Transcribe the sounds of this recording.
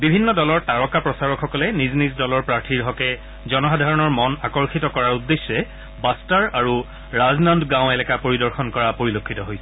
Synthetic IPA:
bibʱinːɔdɔlɔɹtaɹɔkapɹɔsaɹɔkxɔkɔlɛniznizdɔlɔɹpɹaɹtʰiɹɦɔkɛ | zɔnɔxadʱaɹɔnɔɹmɔnakɔɹxitɔkɔɹaɹudːesːɛ | bastaɹaɹu | ɹaznandɡãw̃ɛlɛkapoɹidɔɹxɔnkɔɹapoɹilokʰːitɔɦojsɛ

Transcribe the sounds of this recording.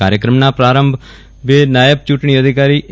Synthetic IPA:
aːɾjəkɾəmnãːpɾaːɾəmbʱ | ʋeːnaːjəb̚t͡ʃuʈɳ̃iːəd̪ʱɪkaːɾiːʔ

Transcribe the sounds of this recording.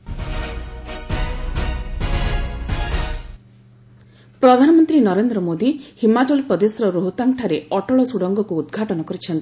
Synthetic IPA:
pɾɔd̪ʱanɔmɔnt̪ɾinɔɾend̪ɾɔmod̪ihimat͡ʃɔlipɔd̪esɾɔɾoɦut̪aŋʈʰaɾeɔʈɔɭɔsuɽɔŋɡɔkuːd̪ɡʱaʈɔnɔkɔɾit͡ʃʰɔnt̪i̥

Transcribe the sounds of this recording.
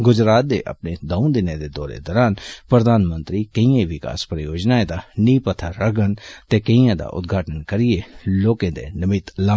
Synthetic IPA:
ɡʊd͡ʒɾaːt̪̚d̪ḛːʔə̰pneːd̪əũd̪ɪnẽːd̪eːd̪ɔːɾḛd̪ɔːɾaːnpɾəd̪ʱaːnmə̃nt̪ɾiːkəĩẽʋɪka̰ːspɾəjoːd͡ʒnaːed̪aːniːpət̪ʰaɾəɡənt̪eːkəijãːd̪a̰ːʔʊ̰t̪̚ɡʱaːʈənkəɾijeloːkẽd̪ḛːnəmɪt̪la

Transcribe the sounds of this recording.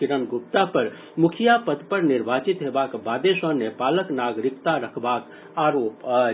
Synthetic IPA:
ɪɾənɡʊp̚t̪apəɾ | mʊkʰjapəd̪pəɾnɪɾbʱaːt͡ʃɪt̪ɦeːbaːkbaːd̪eʃənepaːləknaːɡɾɪkt̪aɾəkʰbaːk | aːɾoːp

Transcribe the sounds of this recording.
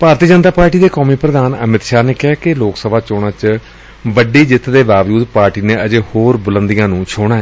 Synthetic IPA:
paːɾt̪iːd͡ʒənt̪aːpaːɾʈiːd̪eːkɔːmiːpɾəd̪aːnə̰mɪt̪ʃaːɾneːkɪaːkɪloːksəbaːt͡ʃoːɽãːt͡ʃ | ʋəɖiːd͡ʒɪt̪ʰd̪eːbaːʋd͡ʒuːd̪paːɾʈiːneːʔəd͡ʒeːhoːɾbʊlə̃nd̪ɪjãːnũːt͡ʃʰoːɽ̃aːɦɛː

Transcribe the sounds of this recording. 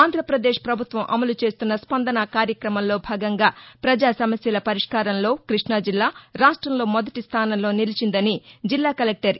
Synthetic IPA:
aːnd̪ʱɾɐpɾɐd̪eːʂpɾɐbʱut̪ʋɐmʔɐ̰mɐlut͡ʃeːst̪unːɐspɐnd̪ɐnɐkaːɾjɐkɾɐmɐmlo̞ːbʱaːɡɐŋɡaːpɾɐd͡ʒaːsɐmɐsjɐlɐpɐɾiʂkaːɾɐmlo̞ːkɾiʂɳɐd͡ʒilːaːɾaːʂʈɾɐmlo̞ːmɔd̪ɐʈist̪ʰaːnɐmlo̞ːnilit͡ʃind̪ɐnid͡ʒilːaːkɐlek̚ʈɐɾ

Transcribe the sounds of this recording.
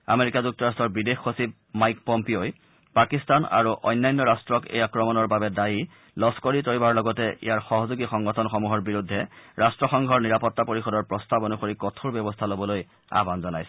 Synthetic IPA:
a̰meɹikazuk̚tɔɹastɔɹbidexːosib̚ | majkpɔmpioj | pakistana̰ɹuʔɔ̰jnːajnːɔɹastɹɔkḛjakɹɔmɔnɔɹbabɛdaji | lɔskoɹitoɹibaɹlɔɡɔtɛʔḭjaɹxɔɦɔzuɡixɔŋɡɔtʰɔnxɔmuɦɔɹbiɹudʱːɛɹastɹɔxɔŋɡʱɔɹniɹapɔtːapoɹixɔdɔɹpɹɔstabonuxoɹikɔtʰuɹbjɛbɔstʰalobɔloj | a̰banzɔnajsɛ

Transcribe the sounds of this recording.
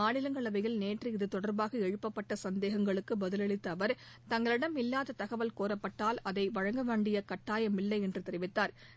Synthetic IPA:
aːɭɪlɐŋɡɐɭɐʋɐjɪlneːʈriɪðɯt̪ɔɽɐɾbaːɣɐɛɻɯpːɐpːɐʈːɐsɐnd̪eːɣɐŋɡɐɭɯkːɯbɐðɯlɐɭɪt̪ːɐʋɐɾ | t̪ɐŋɡɐɭɪɽɐmɪlːaːðɐt̪ɐɣɐʋɐlkoːrɐpːɐʈːaːlɐðɐɪʋɐɻɐŋɡɐʋeːɳɖɪjɐkɐʈːaːjɐmɪlːɐɪɛndrɯt̪ɛɾɪʋɪt̪ːaːɾ

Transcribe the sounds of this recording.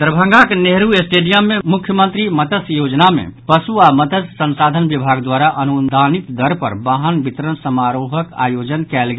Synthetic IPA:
d̪ɾəbʱə̃ŋɡakeneɦɾuesʈeɖijəmːemukʰjəmənt̪ɾimət̪əsjod͡ʒnamḛpəsuamət̪əssə̃nsad̪ʱənbibʱaɡd̪waɾaʔənund̪ʱanit̪d̪ʱəɾpə̰ɾbaɦənbʱit̪ɾənsəmaɾoɦəka̰jod͡ʒənkɛlɡe

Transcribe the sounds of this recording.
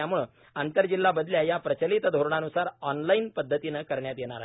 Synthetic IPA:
amuːɭ | ant̪əɾd͡ʑilːabəd̪ljajapɾət͡ɕəlit̪d̪ʱoɾɳ̃anusaɾɔnlainpəd̪ʱːət̪inəkəɾɳjat̪jeɽ̃aɾa

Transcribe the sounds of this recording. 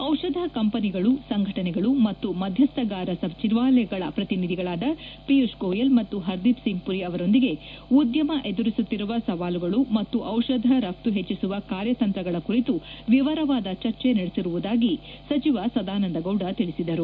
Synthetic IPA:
ɐwʃɐd̪ʱɐkɐmpɐniɡɐɭusɐŋɡʱɐʈɐnɛɡɐɭumɐt̪ːumɐd̪ʱjɐst̪ɐɡaːɾɐsɐbt͡ʃiɾʋaːlɛɡɐɭɐpɾɐt̪inid̪ʱiɡɐɭaːd̪ɐpiuʂɡoːjɐlmɐt̪ːuɦɐɾd̪ipsiŋɡ̚puɾiɐʋɐɾo̞nd̪iɡe̞ | ud̪jɐmɐʔe̞d̪uɾisut̪ːiɾuʋɐsɐʋaːluɡɐɭumɐt̪ːuʔɐwʃɐd̪ʱɐɾɐp̚t̪uɦet͡ʃːisuʋɐkaːɾjɐt̪ɐnt̪ɾɐɡɐɭɐkuɾit̪uʋiʋɐɾɐʋaːd̪ɐt͡ʃɐɾt͡ʃe̞nɐɽesiɾuʋud̪aːɡi | sɐt͡ʃiʋɐsɐd̪aːnɐnd̪ɐɡɐwɖɐt̪iɭisid̪ɐɾu

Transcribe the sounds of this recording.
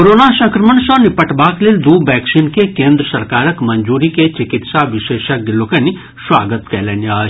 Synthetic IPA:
koɾoːnaʃɐ̃ŋkɾəməɳʃɐ̃ːnipəʈbaːkleld̪uːʋɛːksinkekẽːnd̪ɾəsɐɾkaːɾəkmɐnd͡ʒuːɾiket͡ʃɪkɪt̪saʋɪʃeːʃɐk̚d̪ɪloːkɐni | swa̰ːɡət̪kɛ̰ːlenjaː

